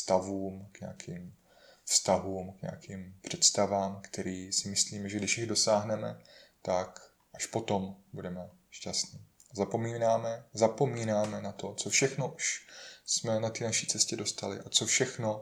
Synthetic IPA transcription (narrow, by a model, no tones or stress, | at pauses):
fst̪avuːmkɲɛ̰akʰiːm | fst̪aɦuːmkɲɛ̰akʰiːmpr̝̥ɛt̪st̪avaːmkt̪ɛɾiːsɪmɪsliːmɛʒɛɡdɪʃjɪɣdo̞saːɦnɛmɛ̰t̪ak | ʔaʃpo̞t̪o̞mbudɛmɛ | ʃcast̪ɲiː | zapo̞miːnaːmɛzapo̞miːnaːmɛnat̪o̞t͡so̞fʃɛxno̞ʔuʃsmɛnat̪iːnaʃiːt͡sɛscɛdo̞st̪alɪ̰ʔat͡so̞fʃɛxno̞